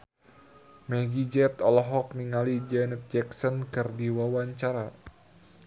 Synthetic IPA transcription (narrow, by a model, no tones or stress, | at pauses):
mɛɡid͡ʒɛt̪ɔlɔɦɔk̚niŋalid͡ʒɛnət̪̚d͡ʒɛksɔnkɨrdiwawaɲt͡ʃaɾa